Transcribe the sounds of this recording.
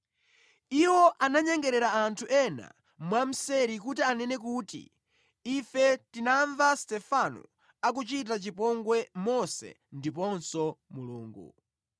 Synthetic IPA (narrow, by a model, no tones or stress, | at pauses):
iwɔʔanaɲɛŋɡɛɾɛɾaantʰuʔɛna̰ | mwam̩sɛɾikutianɛnɛk̬utḭː | fɛtinaɱvastɛfanṵ | ak̬ut͡ʃit̬at͡ʃipɔŋɡwɛmɔsɛ̰ | ndipɔnsɔmuluːŋɡṵ